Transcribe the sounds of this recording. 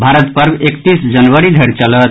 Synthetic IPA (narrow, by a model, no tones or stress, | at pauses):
bʱaɾət̪pəɾbekt̪isd͡ʒənʋəɾid̪ʱəɾt͡ʃələt̪